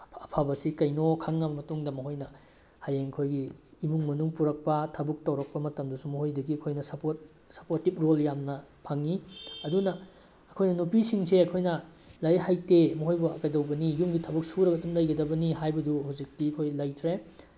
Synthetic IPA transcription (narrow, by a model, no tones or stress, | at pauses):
ɐpʰabɐsikɐjnokʰaŋːɐbɐmɐtuŋdɐmɐɦojnɐ | hajeŋɐkʰojɡiːmuŋmɐnuŋpuɾɐk̚pɐtʰɐbuk̚tɐwɾɐk̚pɐmɐtɐmdɐsumɐɦojdɐɡiɐkʰojnɐsɐpot̚ | sɐpoɾtip̚ɾoljamnɐpʰaŋːiɐdunɐː | kʰojnɐnupisiŋseɐkʰojnɐ | lɐjɦajtemɐɦojbuɐ̰kɐjdɐwbɐnijumɡitʰɐbuk̚suɾɐɡɐtumlɐjɡɐdɐbɐniɦajbɐduhuwzik̚tiɐkʰojlɐjtʰɾe